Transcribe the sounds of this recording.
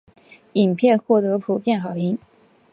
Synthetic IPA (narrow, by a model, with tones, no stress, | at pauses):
i˨˩ŋpʰjɛ˥˧nxwɔ˥˩t̪ɤ˧˥pʰu˨˩pjɛ˥˩nxɑ˨˩ʊi˧˥ŋ